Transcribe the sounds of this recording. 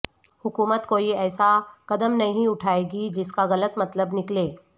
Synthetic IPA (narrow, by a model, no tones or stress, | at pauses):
hʊkuːmət̪koːiɛːsakɐd̪əmnɐɦĩʊʈʰaːeːɡid͡ʒɪskaɣɐlət̪mɐt̪ləbnɪkleː